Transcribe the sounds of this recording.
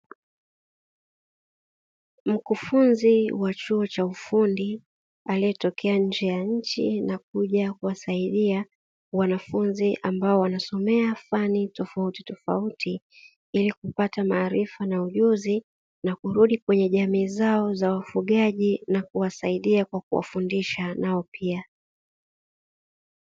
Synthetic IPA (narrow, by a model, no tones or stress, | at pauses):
m̩kufunziwat͡ʃuɔt͡ʃaufundi | aliɛtɔkʰɛaɲ̩d͡ʒɛjaɲ̩t͡ʃḭnak̚uʄakuwasaiɗia | wanafunziʔambaɔwanasɔmɛafanitɔfauti̥tɔfa̰uti | ilikupatamaːɾifanauʄuzi | nakuɾuɗikwɛɲɛʄamiːzaɔzawafuɠaʄinakuwasaiɗiakwak̚uwa̰fundiʃanaɔpʰia